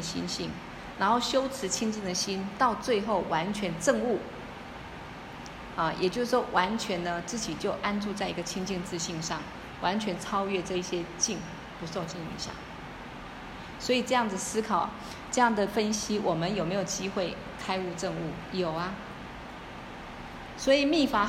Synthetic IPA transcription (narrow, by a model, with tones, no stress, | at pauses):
ɕḭ˥nɕi˥˩ŋ | na˧˥nxo˥˩ʊɕjo˥ʊt͡sʰɻ̩˧˥t͡ɕʰi˥ŋt͡ɕi˥˩ŋd̪ə˩ɕi˥nt̪ɑ˥˧ʊt͡swe˥˧ɪxo˥˩ʊwa˧˥nt͡ɕʰɥɛ˧˥nʈ͡ʂə˥˧ŋu˥˩ | ə˥˧jʔɛ̰˨˩t͡ɕjo˥˧ʊʂ̩˥˩ʂwɔ˥wʔa˧˥nt͡ɕʰɥɛ˧˥nnə˦t͡sɹ̩˥˩t͡ɕi˨˩t͡ɕjo˥˩ʊʔa˥nʈ͡ʂu˥˧t͡sa˥˩ɪi˧˥ɡə˧t͡ɕʰi˥ŋt͡ɕi˥˧ŋt͡sɹ̩˥˧ɕi˥˧ŋʂɑ˥˩ŋ | wa˧˥nt͡ɕʰɥɛ˧˥nt͡sʰɑ˥ʊɥɛ˥˧ʈ͡ʂɤ˥˧i˥˩ɕjɛ˥t͡ɕi˥˩ŋ | pu˧˦so˥˧ʊt͡ɕi˥˧ŋḭ˧˩ɕjɑ̰˥˩ŋ | swɔ˧˥i˨˩ʈ͡ʂɤ˥˧jɑ˥˩ŋd͡z̩̪˨ə˨sɹ̩˥kʰɑ˨˩ʊ | ʈ͡ʂɤ˥˧jɑ˥˩ŋd̪ə˩fə˥nɕi˥wʔɔ˨˩mə˦njo˨˩ʊme˧˥ɪjo˨˩ʊt͡ɕi˥xwe˥˩ɪ | kʰa˥ɪu˥˧ʈ͡ʂə˥˧ŋu˥˩ | jo˨˩ʊɐ˧ | swɔ˧˥i˨˩mi˥˩fa˧˥